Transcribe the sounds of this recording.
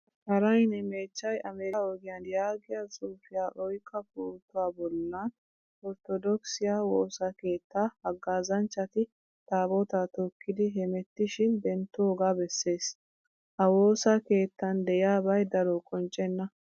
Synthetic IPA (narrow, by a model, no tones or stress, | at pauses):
hɐɾɐjnɛme̞ːt͡ʃːɐjɐmeɾɪɔɡɪjɐnjaːɡɪjasʼuːfɪjaːʔɔjkʼːɐkuːt̪ːʊwaːbɔlːɐn | ɔɾt̪ɔd̪ɔksɪjaːwoːsake̞ːt̪ːaːhɐɡːaːzɐnt͡ʃːɐt̪ɪ | t̪aːbɔt̪at̪ɔkːɪd̪ɪɦɛmɛt̪ːɪʃɪnd̪ɛnt̪ːɔɔɡaːbɛsːe̞ːs | hɐwo̞ːsake̞ːt̪ːɐnd̪ɛʔɪjaːbɐjd̪ɐɾɔkʼɔnt͡ʃʼːɛnːɐ